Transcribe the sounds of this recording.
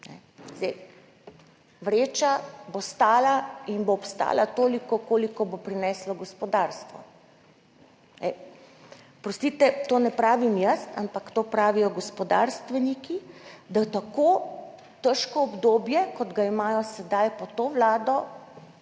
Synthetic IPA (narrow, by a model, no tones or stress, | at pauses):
nɛ̰ | zd̪ɛj | ʋɾeːt͡ʃabost̪aːlainboːpst̪a̰ːlat̪oːlikɔkoːlikɔbopɾinɛslɔɡɔspɔd̪aɾst̪ʋɔ̰ | nɛ̰ | pɾɔst̪it̪ɛt̪oːnɛpɾaːʋimjəst̪ampakt̪oːpɾaːʋijɔɡɔspɔd̪a̰ɾst̪ʋɛnikid̪at̪akoː | t̪əʃkɔːbd̪oːbjɛkɔd̪ɡaimaːjɔsɛd̪ajpɔt̪oːʋlaːd̪ɔ